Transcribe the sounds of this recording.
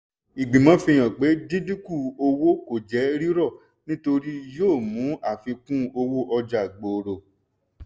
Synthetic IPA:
i˨ɡ͡bĩ˨mɔ̃˦fi˧j̃ɔ̃˨ɡ͡be˨˦di˦di˦ku˦˨o˧wo˦ko˨d͡ʒɛ˨˦ɾi˦ɾɔ˦˨ | nĩ˦to˧ɾi˦joː˦˨mũ˨˦a˦˨fi˧kũ˦o˧wo˦ʔɔ˧d͡ʒa˨ɡ͡bo˨ɾo˨

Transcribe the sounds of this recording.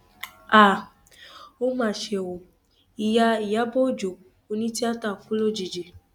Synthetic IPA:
a˦˨ | o˦mã˦˨ʃe˧˨wo˨ | i˨ja˧i˨ja˨˦bo˦˨d͡ʒo˨ | o˧nĩ˦ti˦a˦ta˦˨fũ˦lo˦˨d͡ʒi˨d͡ʒe˨

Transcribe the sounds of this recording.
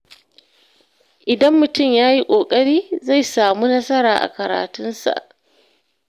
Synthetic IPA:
ʔɪ˨dɐ˦mːʊ˨tʊ˦˨mjaː˦ji˦kʷʼoː˨kʼɐ˦ɽiː˦za˦˨jsaː˨muː˦nɐ˦sɐ˦ɾaː˨ʔa̰˨kɐ˨ɾa̰ː˨tʊ˦nsa̰˨ʔ

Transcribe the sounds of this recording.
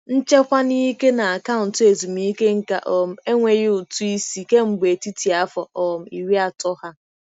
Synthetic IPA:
n̩˦t͡ʃe˦kʷa˦ni˦ke˦na˨a˨ka˦ʊ˨n̩˨te˨zu˨mi˦ke˦ŋ̩˦ka̰˨ʔɔ˨m̩˦e˦ŋʷe˨ɣɪ˦ʊ˨tu˦i˦si˦ke˦ŋ͡m̩˨ɡ͡be˨ti˦ti˨a˦fɔ˨ʔɔ˨m̩˨i˨ɾi˦a˨tɔ˦ha˦

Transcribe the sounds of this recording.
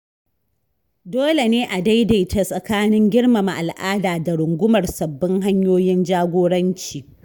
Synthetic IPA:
doː˦le˨neː˦ʔa˨da˦jda˨jta˨sʼɐ˨kaː˦nɪ˦ŋɡʲɪ˦ɽma˨ma˨ʔa˨lʔaː˦daː˨da˨ɽʊ˨ŋɡʷʊ˦mɐ˨rsɐ˨bːɪ˦ŋɦa˦ɲjoː˦jɪ˦nd͡ʒaː˦ɡʷoː˦ɽɐ˦nt͡ʃiː˨

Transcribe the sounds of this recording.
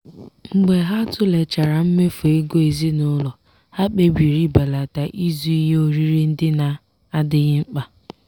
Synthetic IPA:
ŋ͡m̩˦ɡ͡be˨ɦa˦tʊ˦le˨t͡ʃa˨ɾa˨m̩˦me˦fu˨e˦ɡo˦e˨zi˦nʊ˦lɔ˨ | ha˦k͡pe˦bi˨ɾi˦ba˨la˨ta˨ʔi˦zu˦i˦ɦe˦o˦ɾi˦ɾi˦n̩˦dɪ˦na˨ | a˦dɪ˦ɣɪ˦ŋ͡m̩˦k͡pa˨

